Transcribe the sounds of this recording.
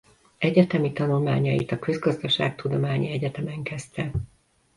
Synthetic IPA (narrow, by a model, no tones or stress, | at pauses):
ɛɟɛt̪ɛmit̪ɒnulmaːɲɒjit̪ɒkø̞zɡɒzd̪ɒʃa̰ːk̚t̪ud̪o̞maːɲiɛɟɛt̪ɛmɛŋkɛst̪ɛ